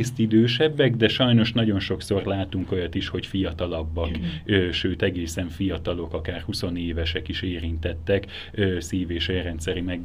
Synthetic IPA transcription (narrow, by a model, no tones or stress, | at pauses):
st̪id̪øːʃɛbːɛɡd̪ɛʃɒjno̞ʃnɒɟo̞nʃo̞kso̞rlaːt̪uŋko̞jɒt̪iʃho̞cfijɒt̪ɒlɒbːɒkøːʃøːt̪ɛɡeːsɛɱfijɒt̪ɒlo̞kɒkaːrhuso̞neːvɛʃɛkiʃeːɾint̪ɛt̪ːɛk | øːsiːveːʃɛrɛnt̪sɛɾimɛɡ